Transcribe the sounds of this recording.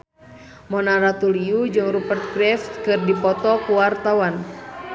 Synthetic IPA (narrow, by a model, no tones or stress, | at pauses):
mɔnaɾat̪uliud͡ʒɨŋrupərt̪̚kɾɛft̪̚kɨrdipɔt̪ɔkuwart̪awan